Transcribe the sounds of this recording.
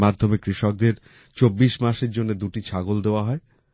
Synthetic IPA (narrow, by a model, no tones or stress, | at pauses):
mad̪ʱːomekɾiʃɔk̚d̪eɾ | t͡ɕobːiʃmaʃeɾd͡ʑonːed̪uʈit͡ɕʰaɡold̪eoaɦɔe